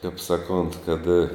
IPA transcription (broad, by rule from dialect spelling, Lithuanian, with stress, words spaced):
kɐɪp ˈsɑːˌkoːnt kɐt